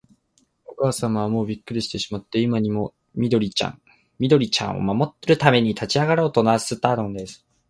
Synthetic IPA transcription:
o̞kaːsamaβamo̞ːbʲikːɯ̟ɾʲiɕi̥t̪e̞ɕi̥mat̪ːe̞imaɲ̟imo̞ | mʲid̪o̞ɾʲit͡ɕã̰ŋ | mʲid̪o̞ɾʲit͡ɕã̰ɰ̃o̞̰mamo̞t̪ːeɾɯ̟t̪ame̞ɲ̟it̪ʰat͡ɕiaɡaɾo̞ːt̪o̞nasɨt̪aːɾõ̞nd̪e̞sɨ̥

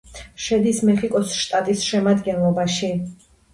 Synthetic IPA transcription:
ʃɛd̪ismɛχikʼɔsʃt̪ʼat̪ʼisʃɛmad̪ɡɛnlˠɔbaʃi

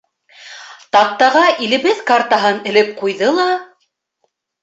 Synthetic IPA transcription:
t̪ɑq̚t̪ɑʁɑʔilɘ̆βɘðkart̪aɦɤnɘ̆lɘp̚qujðɤlˠɑ

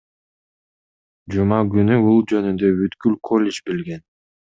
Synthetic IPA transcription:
d͡ʒumɑɡynybulˠd͡ʒø̞nynd̪ø̞yt̪kylʲkʰo̞lʲːet͡ʃbilɡe̞n

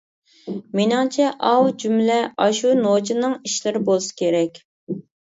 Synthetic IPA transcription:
menɪŋt͡ʃʰɛʔɑwd͡ʒymlɛɑʃunod͡ʒinɨŋiʃlɪɾɪbolˠsɨ̥kʲeɾɛkʲ

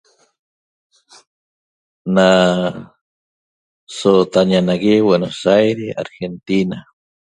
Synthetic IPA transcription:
na | sot̪aɲanakiwenosajɾia̰ɾxent̪ina

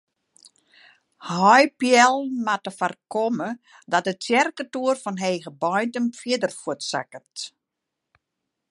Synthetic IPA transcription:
hɔjpjɛlˠmatəfarkɔmə | dɔt̚ətjɛrkətuərfɔnɦejɣəbɔjntənfiədərfuətsa̰kət

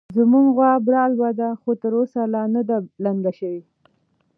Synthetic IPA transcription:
zəmuŋɡɣwɑbɾɑlbad̪axot̪əɾosalɑnad̪alanɡ̪aʃawi

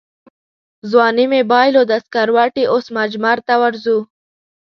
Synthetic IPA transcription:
zwɑnimebɑjlod̪askaɾwaʈiʔosmad͡ʒmaɾt̪awaɾzu

